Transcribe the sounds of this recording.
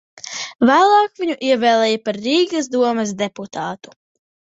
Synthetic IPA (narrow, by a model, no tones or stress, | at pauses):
væːlˠɑːkvʲiɲuʔiɛvɛːlˠɛːjapaɾːiːɡɐsd̪uɔmɨs̬d̪eput̪ʰɑːt̪u̥